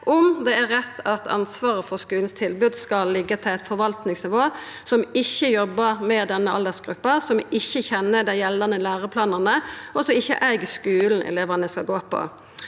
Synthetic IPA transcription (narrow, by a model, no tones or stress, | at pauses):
ʔɔmd̪ɛæɾɾɛt̪ʰːɑt̪ʰɑ̰nsʋɑːɾəfɔʁskʉːln̩st̪ʰɪlbʉd̪skɑlːɪɡːət̪ʰɪlæɪt̪fɔɾʋɑlt̪nɪŋsnɪʋoː | sɔmɪçːəjɔbːəɾmɛd̪ɛnːəɑld̪əʁsɡɾʉpːɑsɔmɪçːəçɛnːəd̪æɪjɛlːɑnəlæːɾəpʰlɑːnɑnəɔsɔɪçːə̰ʔæɪɡskʉːln̩ʔɛ̰leːʋənəskɑɡoːpʰɔ̰